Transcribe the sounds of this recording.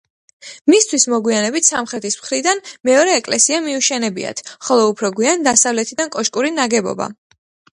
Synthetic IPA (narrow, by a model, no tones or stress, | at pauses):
mist̪ʰwismɔɡwianɛbit̪ʰsamχɾɛt̪ʰismχɾid̪anmɛɔɾɛːkʼlɛsiamiuʃɛnɛbḭa̰t̪ʰχɔlˠɔupʰɾɔɡwiand̪asavlɛt̪ʰid̪ankʼɔʃkʼuɾinaɡɛbɔ̰ba̰